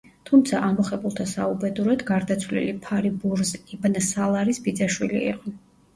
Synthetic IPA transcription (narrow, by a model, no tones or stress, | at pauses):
t̪ʰumt̪sʰaʔamɔχɛbulˠt̪ʰasaubɛd̪uɾɛd̪ɡaɾd̪at̪sʰwvlḭlipʰaɾibuɾzibnsalˠaɾisbid̪zaʃwilḭḭqʼɔ